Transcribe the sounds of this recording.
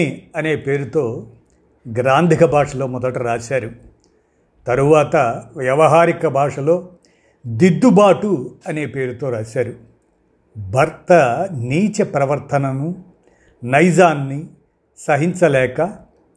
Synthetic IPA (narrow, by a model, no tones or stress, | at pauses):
ɐne̞ːpe̞ːɾut̪o̞ː | ɡɾaːnd̪ʱikɐbʱaːʂɐlo̞ːmɔd̪ɐʈuɾaːt͡ʃaːɾu | t̪ɐɾuʋaːt̪ɐʋjɐʋɐɦaːɾikɐbʱaːʂɐlo̞ː | d̪id̪ːubaːʈuɐne̞ːpe̞ːɾut̪o̞ːɾaːsaːɾu | bʱɐɾt̪ɐniːt͡ʃepɾɐʋɐɾt̪ʰɐnɐnu | nɐjd͡ʒaːnːi | sɐɦiɲt͡ʃɐlɛːkɐ